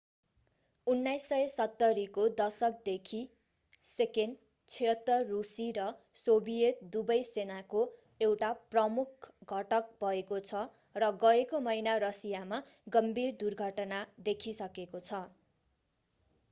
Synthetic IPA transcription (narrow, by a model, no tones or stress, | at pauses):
unːajsːʌesʌt̪ːʌɾikod̪ʌsʌk̚d̪ekʰi | seken | t͡sʰʌt̪ːʌrusiɾʌ | sobijet̪̚d̪ubʌjsenako | ewʈaprʌmukʰɡʱʌʈʌk̚bʱʌekot͡sʰʌ | rʌɡʌekomʌjnarʌsijamaɡʌmbʱird̪urɡʱʌʈʌnad̪ekʰisʌkekot͡sʰʌ